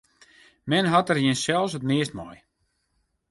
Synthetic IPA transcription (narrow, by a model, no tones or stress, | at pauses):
mɛnɦɔtərjiənsɛlˠsətmɪəstmɔ̰j